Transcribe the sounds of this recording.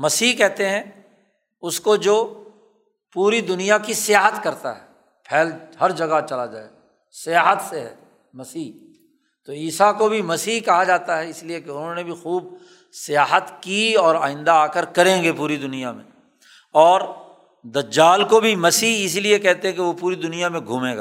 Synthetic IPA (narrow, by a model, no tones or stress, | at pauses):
mɐsiːkɛɦt̪eɦɛ̃ | ʊskod͡ʒoː | puːɾid̪ʊnijakisɪjaːɦət̪kɐɾt̪a̰ɦɛː | pʰɛːlhɐɾd͡ʒɐɡat͡ʃɐlad͡ʒa̰ːeɡa | sɪjaːɦət̪seɦɛ̰ː | mɐsiː | t̪oiːsakobʱimɐsiːɦkɐɦad͡ʒaːt̪aɦɛɪsliekeʊnɦõnebʱixuːb | sɪjaːɦət̪kiɔːɾaːɪ̃nd̪aaːkəɾkɐɾẽːŋɡepuːɾid̪ʊnijamḛ̃ | ɔːɾ | d̪ɐd͡ʒːaːlkobʱimɐsiːɦɪsiliekɛɦt̪ẽɦɛ̃keʋopuːɾid̪ʊnijamẽɡʱuːmẽːɡaː